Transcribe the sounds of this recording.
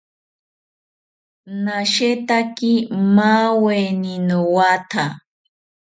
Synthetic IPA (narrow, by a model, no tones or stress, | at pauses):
naʃet̪akimaweninowat̪ʰa